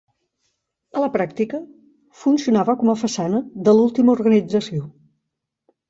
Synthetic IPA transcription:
ələpɾakt̪ikə | funsiunaβəkɔməfəsanəðəlulˠt̪iməuɾɣənid͡zəsio

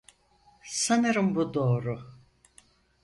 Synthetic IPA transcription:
sanɯɾɯmbud̪o̞ːɾu

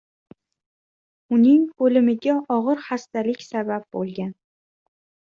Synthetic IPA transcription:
ʊnɪŋolɪmɪɡʲaʔɒʁɨɾχast̪alɪkʲsabap̚bolˠɡʲan

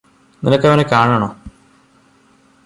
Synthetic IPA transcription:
ninɐkːɐʋɐnekaːɳɐɳoː

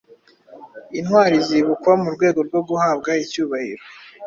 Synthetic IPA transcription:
inhwaːɾiziβukwamuɾɡwe̞ːɡo̞ɾɡwo̞ɡuhaːbɡaicuːβahḭɾo

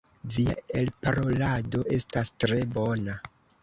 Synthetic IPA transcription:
via̰elpaɾo̞lado̞ʔe̞stastɾe̞bo̞na

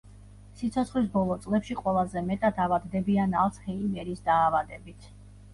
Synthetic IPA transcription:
sit̪sʰɔt̪sχlis̬bɔlˠɔt̪sʼlɛpʃiqʼwɛlˠazɛmɛt̪ʼad̪avad̪d̪ɛbianalˠshɛimɛɾisd̪aːvad̪ɛbit̪ʰ

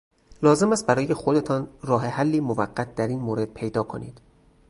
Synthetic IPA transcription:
lɒːze̞mæst̪̚bæɾɒːje̞xo̞d̪e̞t̪ʰɒːnrɒːɦe̞hælːiːmovæɢːæt̪̚ʰd̪æɾiːnmoːɾe̞d̪̥̚pʰe̞jd̪ɒːkʰo̞nḭːd̪̥

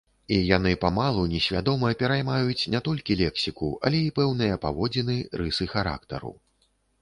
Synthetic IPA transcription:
ijan̪ɨpamalˠunʲɛsʲvʲad̪ɔmɐpʲɛɾajmajut͡sʲnʲat̪ɔlʲkʲilʲɛksʲikuɐ̰lʲɛipɛwnɨjɐpavɔd͡zʲinɨɾɨsɨxaɾa̰kt̪ɐ̰ɾṵ

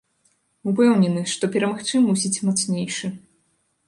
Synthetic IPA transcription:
upɛwnʲɛnɨʂt̪ɔpʲɛɾɐmaxt͡ʂɨmusʲit͡sʲmɔt̪snʲejʂɨ

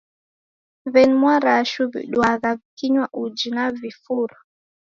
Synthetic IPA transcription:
βɛnmwaɾaʃuβḭɗwaðaβikiɲwaʔud͡ʒinavifuɾa

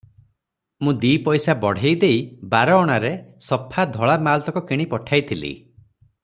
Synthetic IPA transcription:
mũd̪iːpɔjsabɔɽ̤ejd̪ejbaɾɔːɽ̃aɾesɔpʰad̪ʱɔɭamalt̪ɔkɔkiɽ̃ipɔʈʰajt̪ʰilḭ

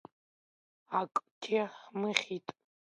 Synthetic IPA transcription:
akʼtʲʰiħmɨχʲitʼ

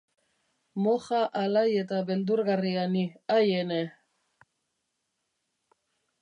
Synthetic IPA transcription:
moxaʔalaje̞t̪aβe̞nd̪uɾɣarianiajene

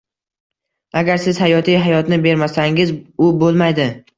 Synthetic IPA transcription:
aɡʲaɾsɪz̥hajɒt̪ʰijɦajɒt̪nɪbe̞ɾmasaŋɪzʊbolˠmajd̪ɪ

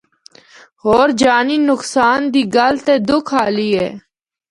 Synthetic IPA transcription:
ɦoːɾd͡ʒaːniːnʊksaːnd̪iːɡəlt̪eːd̪ʊkʰaːliːɦɛ̰ː

